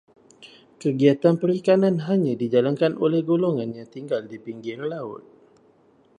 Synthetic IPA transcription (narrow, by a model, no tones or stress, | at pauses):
kəɡiat̪anpəɾikananɦaɲãdid͡ʒalaŋkanʔolɛhɡoloŋãnjaŋt̪iŋɡaldipiŋɡɪrlaʊ̰t̪̚